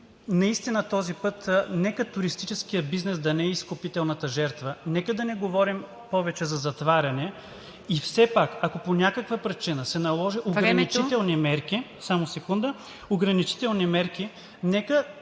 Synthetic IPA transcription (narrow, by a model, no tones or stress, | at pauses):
nɐist̪inət̪ɔzipɤt̪nɛkət̪ʊɾist̪it͡ʃɛskijəbiznɛsd̪ɐnɛɛiskopit̪ɛlˠnɐt̪əʒɛɾt̪vənɛkəd̪ɐnɛɡovɔɾim | pɔvɛt͡ʃɛzɐzɐt̪vaɾʲɐnɛ | ifsɛpakɐkoponʲjakəkvəpɾit͡ʃinəsɛnɐlˠɔʒiʔoɡɾɐnit͡ʃit̪ɛlˠnimɛɾkisamosɛkund̪ə | oɡɾɐnit͡ʃi̥t̪ɛlˠnimɛɾki | nɛkə